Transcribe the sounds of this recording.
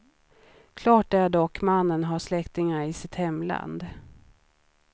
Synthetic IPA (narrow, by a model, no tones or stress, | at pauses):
kʰlɑːʈæɖɔkːmanːənɦaʂlɛkt̪ɪŋaɾɪsɪt̪hɛmːla̰nd̪